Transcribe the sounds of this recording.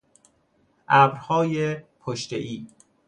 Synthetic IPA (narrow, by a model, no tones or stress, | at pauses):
ʔæbɾhɒːjepʰoʃt̪ḛʔiː